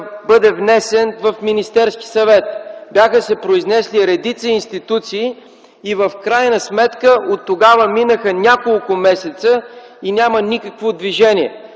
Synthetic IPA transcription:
bɤd̪ɛvnɛsɛnvəfminist̪ɛɾski̥sɐvɛt̪̚bjaxəsɛpɾoiznɛsliɾɛd̪it̪səinst̪it̪ut̪siː | vəfkɾajnəsmɛt̪kəʔot̪ːoɡavəminəxənʲakolˠkʊmɛsɛt̪sə | inʲamənikəkvod̪viʒɛnʲiɛ

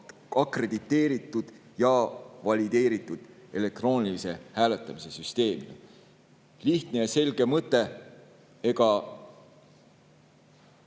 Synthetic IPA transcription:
ɑkre̞d̪̥it̪ːe̞ːɾit̪ːˑud̪̥jɑvɑlʲid̪̥e̞ːɾit̪ːˑud̪̥ele̞k̚t̪ro̞ːnʲilise̞hæːlet̪ːˑɑmise̞syst̪e̞ːmiɡ̥ɑ | liht̪ne̞jɑse̞lɡ̥e̞mɤt̪ˑːe̞ | eɡ̥ɑ

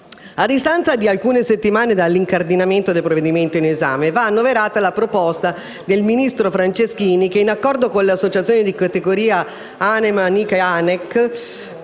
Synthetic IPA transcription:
ad̪ːist̪ant̪sad̪ialkuːneset̪ːimaːned̪alːiŋkard̪inament̪od̪elpɾovːed̪iment̪oineza̰ːmevaːnːoveɾaːt̪alapɾopɔst̪a | d̪elminist̪ɾofɾant͡ʃesk̟iːnikeinakːɔrd̪okoleasːot͡ʃat̪sjoːnid̪ikat̪eɡoɾiːa | anemanikanɛk

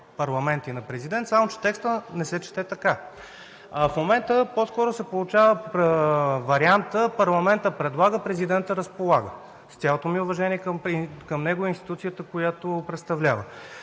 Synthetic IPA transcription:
pɐɾlˠɐmɛnt̪inɐpɾɛzid̪ɛnt̪samot͡ʃɛ̥t̪ɛkst̪ənɛsɛt͡ʃɛ̥t̪ɛt̪ɐka | ɐfmomɛnt̪əposkɔɾosɛpolˠʊt͡ʃavə | vɐɾiant̪əpɐɾlˠɐmɛnt̪əpɾɛd̪lˠaɡəpɾɛzid̪ɛnt̪əɾəspolˠaɡə | st̪ʲalˠot̪omiʊvɐʒɛniɛkkəmnɛɡoinst̪i̥t̪ut̪sijət̪əkojat̪opɾɛt̪st̪ɐvlʲavə

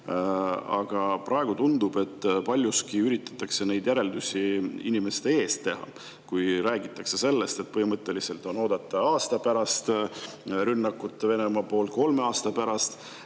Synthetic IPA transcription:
ɑɡ̥ɑprʔɑe̞ɡ̥ut̪und̪̥ub̥e̞t̪ːˑpɑlʲjuskiyɾit̪ːˑɑ̥t̪ːˑɑkse̞ne̞jd̪̥jæɾe̞ld̪usʲiinimest̪e̞e̞ːst̪ːe̞ɦɑ̰ | kujɾæːɡit̪ːˑɑkse̞se̞lːe̞st̪e̞t̪̚pɤhimɤt̪ːˑe̞lise̞lt̪ˑo̞no̞ːd̪̥ɑt̪ːˑɑɑːst̪ɑpæɾɑst̪ | ɾynːɑkːˑut̪ˑːve̞ne̞mɑpo̞ːlt̪̚ko̞lme̞ɑːst̪ɑpæɾɑst̪

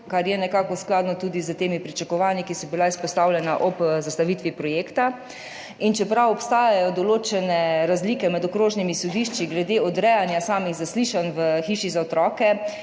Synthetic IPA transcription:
kaɾjɛnɛkaːkɔsklaːd̪nɔt̪uːd̪izət̪eːmipɾit͡ʃakɔʋaːnikisɔbilaispɔst̪aːwlʲjɛnaʔɔpzast̪aʋit̪ʋipɾɔjeːkt̪a | int͡ʃɛpɾawɔpst̪aːjajɔd̪ɔloːt͡ʃɛnɛɾazliːkɛmɛd̪ɔkɾoːʒnimisɔd̪iːʃt͡ʃiɡlɛd̪eːɔd̪ɾɛjanjasaːmiɣzasliːʃanʋəxiːʃizaɔt̪ɾɔːkɛ

